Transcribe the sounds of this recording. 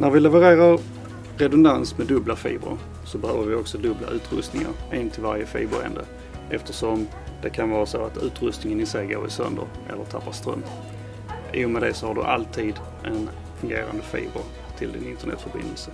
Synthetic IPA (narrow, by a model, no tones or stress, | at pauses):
næɾvɪlɛvəɾeːɾaɾ | ɾɛd̪ʊnd̪ansmɛd̪ɵblafḭːbɾʊ̰ɾ | sɔbɛhøːvəɾvɪɔksɔd̪ɵbla̰ʔʉ̟ːt̪ɾɵst̪nɪŋa̰ɾʔɛnt̪ʰɪlvaɾjəfḭːbəɾɛ̰nd̪ə | ʔɛft̪əʂɔm | d̪̥ɛkʰanvɑːɾasoat̪ʰʉ̟ːt̪ɾɵst̪nɪŋənɪsɛjɡoːɾɪ̰sœ̰nd̪ə̰ɾʔɛ̰lːət̪ʰapːast̪ɾœ̰mː | ʔiːjʊmɛd̪ɛsɔhaɖɵ̰ʔalt̪ʰiːd̪ | ʔɛn | fɵŋɡḛːɾa̰nd̪əfḭːbəɾ | t̪ʰɪld̪ɪnɪnt̪əɳɛ̰t̪fœɾbɪ̰nd̪əlsə